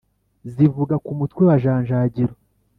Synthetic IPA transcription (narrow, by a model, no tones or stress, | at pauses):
zivuɡakumutkwewaʒaːɲʒaːɟiɾo